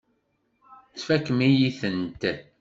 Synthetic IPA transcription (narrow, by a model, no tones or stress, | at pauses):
t͡sfækːmijiθənt̪